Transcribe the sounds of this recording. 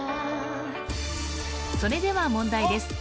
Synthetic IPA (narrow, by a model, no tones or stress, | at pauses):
so̞ɾe̞d̪e̞βamõ̞nd̪aid̪e̞sɨ̥